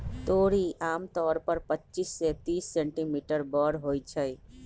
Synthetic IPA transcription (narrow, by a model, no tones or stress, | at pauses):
t̪oɾiʔaːmt̪ɔːɾpəɾpətːt͡ʃisːet̪iːsːẽɳʈimiʈəɾbɔɽɦojt͡ʃʰəj